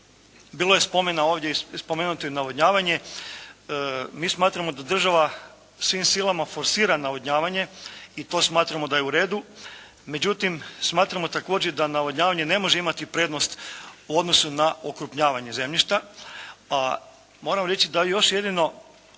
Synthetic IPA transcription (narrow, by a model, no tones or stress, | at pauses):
biːlˠo̞jespo̞menao̞ːʋd̪jeispo̞meːnut̪ojnaʋodɲaːʋaɲe̞ | miːsmaːt̪ɾamo̞d̪ad̪r̩ʒaʋa | sʋimsilˠamafo̞ɾsiːɾanaʋoɲaːʋaɲe̞it̪o̞ːsmaːt̪ɾamo̞d̪aje̞uɾe̞ːd̪u | me̞d͡ʑut̪imsmaːt̪ɾamo̞t̪ako̞ːd͡ʑed̪anaʋod̪ɲaːʋaɲe̞ne̞mo̞ʒeimat̪ipɾe̞ːd̪nost̪uo̞d̪no̞sunaokɾupɲaːʋaɲeze̞mʎiʃt̪a | a | mo̞ːɾamɾe̞t͡ɕid̪ajo̞ʃje̞d̪ino̞